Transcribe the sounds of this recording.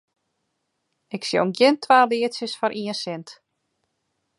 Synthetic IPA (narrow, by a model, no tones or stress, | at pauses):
ɪksjo̰wnɡɪnt̪ʰːvaːliːt̪sɪsfaɾʔiːɛsɪnt̪